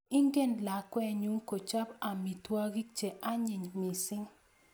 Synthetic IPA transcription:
i˦ŋɡe˦˨nla˨kwɛ˦ɲu˦ŋko˨t͡ʃa˦ba˨mi˨twa˦ɡi˦k̚t͡ʃe˨ʔa˦ɲɪ˨ɲmi˨sɪ˦ŋ

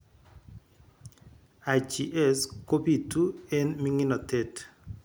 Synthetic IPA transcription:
a˨t͡ʃi˨ʔɛ˦sko˦bi˨tu˦ɛ˦nmi˦ŋi˦nɔ˨te˨t

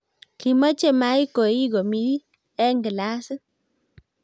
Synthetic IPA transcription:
ki˨ma˦t͡ʃe˦˨ma˨˦i˦ko˨i˦ɡo˨mi˦i˦ | ɛ˦ŋɡɪ˨la˦sɨ˦

